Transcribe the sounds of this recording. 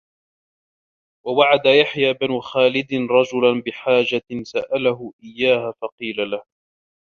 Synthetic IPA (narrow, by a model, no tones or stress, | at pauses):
wawaʕad̪ajaħjaːbɪnʊxaːlɪd̪ɪnɾˤɑd͡ʒʊlanbɪħaːd͡ʒasaʔalaɦʊʔɪjːaːhafɑqiːlalah